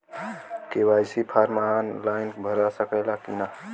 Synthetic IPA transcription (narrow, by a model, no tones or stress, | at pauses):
kewajsipʰaɾmaanlaɪnbʱəɾasəkəɪlakina